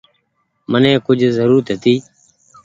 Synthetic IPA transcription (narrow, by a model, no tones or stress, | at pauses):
mənẽːkʊd͡ʒʱzəɾuːɾt̪ɦət̪iː